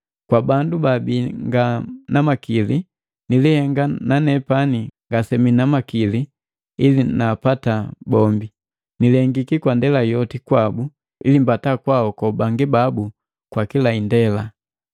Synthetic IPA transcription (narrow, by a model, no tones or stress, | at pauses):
kwabandubabiŋɡanamakili | nilihɛŋɡananɛpaniŋɡasɛminamakili | ilinapatabɔmbi | nilɛŋɡikikwandɛlajɔtikwabu | ḭlimbatakwaɔkɔbaŋɡibabu | kwakilaindɛla